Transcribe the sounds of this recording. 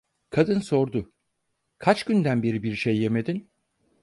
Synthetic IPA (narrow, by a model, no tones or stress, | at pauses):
kʰad̪ɯnso̞ɾd̪ʊ | kʰat͡ʃɟ̥ynd̪ænbeɾibiɾiʃejːeme̞d̪in